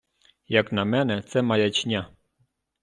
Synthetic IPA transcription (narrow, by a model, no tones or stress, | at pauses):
jɑknɑmɛnɛt͡sɛmɑjɑt͡ɕnʲɑ